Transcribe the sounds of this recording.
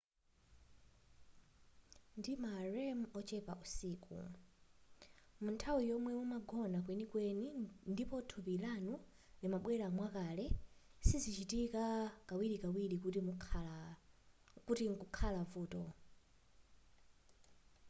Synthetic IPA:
ndimaɹɛmɔt͡ʃɛpaʔusiːkṵ | muntʰawijɔmwɛmumaɡɔnakwɛnikwɛnindipɔtʰupilanu | limaɓwɛlamwakalɛsizit͡ʃitikakawiɾikawilikuti | kutiŋkukʰalavuːtɔ

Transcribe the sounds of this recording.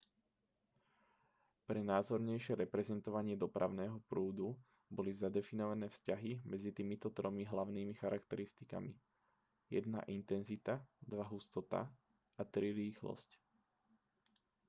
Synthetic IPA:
pɾɛnaːzɔɾɲɛjʃɪɛɾɛpɾɛzɛnt̪ɔʋaɲɪɛd̪ɔpɾʔa̰ʊnɛːɦɔpɾuːd̪u | bɔlizad̪ɛfinɔʋanɛːfscaɦimɛd͡zit̪imit̪ɔt̪ɾɔmiɦlaʊniːmixaɾakt̪ɛɾist̪ika̰mḭ | jɛ̰d̪na̰ʔint̪ɛnzit̪ad̪ʋaɦust̪ɔt̪a̰ | at̪ɾiɾiːxlɔ̰sc

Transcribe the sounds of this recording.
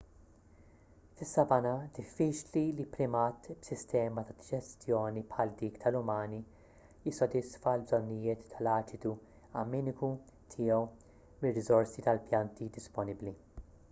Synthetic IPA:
t̪ɪsːɐbɐnɐd̪ɪfːiːt͡ʃlilipɾɪmɐt̪bsɪst̪ɛːmɐt̪ɐd̪ɪd͡ʒɛst̪jɔːnipħɐld̪iːkt̪ʰɐlʊmɐːni | jɪsːɔd̪ɪsfɐlbzɔnːɪjɪːt̪ːɐlɐːt͡ʃɪt̪u | ɐmɪːnɪku | t̪ʰɪːjɔw | mɪrːɪzɔɾsit̪ɐlpjɐnt̪id̪ɪspɔnɪbli

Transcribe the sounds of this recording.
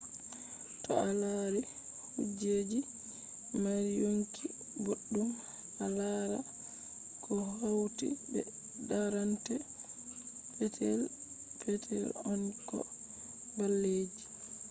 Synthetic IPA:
tɔalaɾɛ | hud͡ʒeːd͡ʒi | maɾjoŋki | boɗːum | alaɾa̰ | kʰɔhawtḭbɛ̰ | daɾantɛ | pɛtʰɛl | pɛtʰɛ̰lɔnkɔ̰ | balːeːd͡ʒi

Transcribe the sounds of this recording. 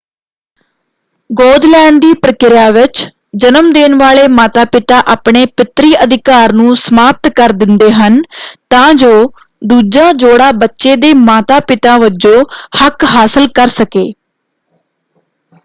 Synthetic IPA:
ɡoːd̪lɛːɳɖ̚d̪iːpɾəkɪɾjaːʋɪt͡ʃ | d͡ʒənəmd̪eːnʋaːɭeːmaːt̪aːpɪt̪aːʔaːpɳeːpɪt̪ɾiːʔəd̪ɪkaːɾnũːsəmaːp̚t̪kəɾd̪ɪnd̪eːɦənt̪ãːd͡ʒoː | d̪uːd͡ʒãːd͡ʒoːɽaːbətːʃeːd̪eːmaːt̪aːpɪt̪ãːʋəd͡ʒoːhəkɦaːsəlkəɾsəkeː

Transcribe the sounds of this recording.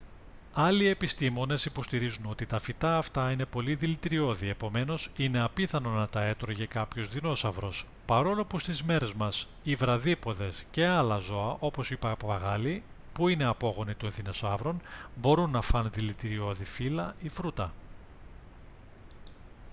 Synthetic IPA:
ɐlie̞pist̪imo̞ne̞sipo̞st̪iɾizuno̞t̪it̪ɐfit̪ɐːft̪ɐine̞po̞liðilit̪iɾio̞ðie̞po̞me̞no̞sine̞ɐpiθɐnonɐt̪ɐe̞t̪ɾoʝekɐpço̞zðino̞sɐvɾo̞s | pɐɾo̞lo̞pust̪izme̞ɾe̞zmɐs | ivɾɐðipo̞ðe̞sce̞ɐlɐzo̞ɐʔo̞po̞sipɐɐɣɐli | puine̞ɐpo̞ɣo̞nit̪oenθine̞sɐvɾo̞nbo̞ɾunːɐfɐnðilit̪iɾio̞ðifilɐifɾut̪ɐ

